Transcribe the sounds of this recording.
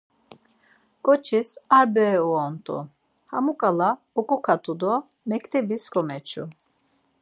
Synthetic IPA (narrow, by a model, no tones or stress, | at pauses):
kʼɔt͡ʃʰisaɾbɛuɔnt̪ʼṵ | hamukʼala | ɔkʼɔkʰat̪ʰʼud̪ɔ | mɛkʰʼt̪ʰɛbiskʰɔmɛt͡ʃʰṵ